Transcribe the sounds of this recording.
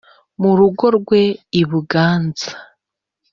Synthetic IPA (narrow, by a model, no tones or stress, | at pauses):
muɾuɡo̞ɾɡwe̞iβuɡaːnzḁ